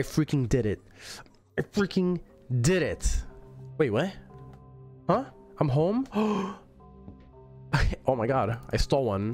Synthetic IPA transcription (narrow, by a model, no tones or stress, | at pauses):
aɪfɹikɪ̃ŋdɪɾɪt̚ | aɪfɹikʰɪ̃ŋ | dɪɾɪt | weɪʔ̚weɪ | hʌ̃ | ʔãɪ̃mɦõʊ̃m | aɪʔoʊmaɪɡɑdʔa̰ɪstɔlˠwʌ̃n